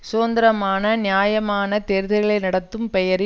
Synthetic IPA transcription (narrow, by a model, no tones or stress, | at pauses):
soːnd̪ɐɾɐmaːnɐnjaːjɐmaːnɐt̪eːɾɯðɐɣɐɭɐɪnɐɽɐt̪ːɯmpɛjɐɾ